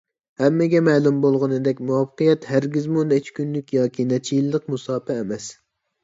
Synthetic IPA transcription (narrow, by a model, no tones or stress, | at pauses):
hɛmːɪɡʲɛmɛːlˠumbolˠʁʊnɨd̪ɛkʲmuwɑpʰqijɛt̪hæɾɡʲizmunet͡ʃʰkʲynlykʲjɑːkʲinɛt͡ʃʰijilˠːəqmusɑːpʰɛːmɛs